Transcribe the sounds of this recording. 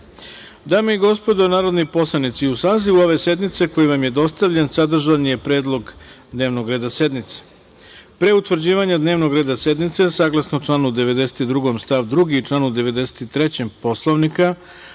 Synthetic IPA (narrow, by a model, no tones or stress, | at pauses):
d̪aːmeiɡo̞spo̞d̪onaːɾo̞d̪nipo̞slˠanit̪siusaːziʋuo̞ʋe̞se̞d̪nit̪se̞ko̞jiʋamje̞d̪o̞st̪aʋʎensad̪r̩ʒanije̞pɾe̞ːd̪lˠo̞ɡd̪neʋnoɡɾeːd̪ase̞d̪nit̪se̥ | pɾeut̪ʋr̩d͡ʑiːʋaɲad̪neːʋno̞ɡɾe̞ːd̪ase̞d̪nit̪se̞saːɡlˠasnoʈ͡ʂlaːnud̪e̞ʋe̞d̪ese̥t̪id̪ɾuɡomst̪aʋd̪ɾuɡiːt͡ʂlaːnud̪e̞ʋed̪e̞se̥t̪it̪ɾet͡ɕempo̞slˠoʋnika